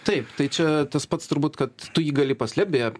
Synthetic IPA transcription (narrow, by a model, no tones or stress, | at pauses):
t̪ɐɪpt̪ɐɪt͡ʃʲɛt̪ɐspɐt̪st̪ʊɾbuːt̪kɐt̪tʊjiːɡɐlʲɪpɐsʲlʲɛpbʲeɛ